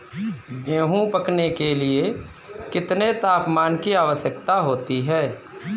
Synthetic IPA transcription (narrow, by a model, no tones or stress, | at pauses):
ɡẽːɦũpəknekelie | kɪt̪net̪aːpmaːnkiaːʋəʃjəkt̪aɦoːt̪iɦɛː